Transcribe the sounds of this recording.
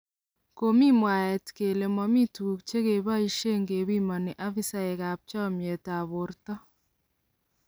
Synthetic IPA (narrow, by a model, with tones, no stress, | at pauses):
ko˨mi˦mwa˨ɛ˨tke˨le˨mɔ˨mi˦tu˨u˨kt͡ʃe˦ke˨ba˦i˦ʃe˦ŋɡe˨βi˦mɔ˨ne˨ʔa˦fi˦sa˦e˨ka˨p̚t͡ʃɔ˦˨mje˨ta˨βʊ˨rtɔ˦